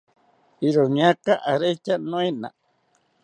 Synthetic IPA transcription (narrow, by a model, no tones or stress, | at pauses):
iɾoɲakaʔaɾet͡ʃanõina̰